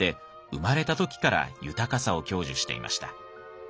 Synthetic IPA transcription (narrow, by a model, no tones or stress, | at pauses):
e̞ | ɯ̟maɾe̞t̪at̪o̞kʲi̥kaɾa̰jɯ̟t̪akasao̞kʲo̞ːʑɨɕi̥t̪e̞̰ḭmʔa̰ɕi̥t̪a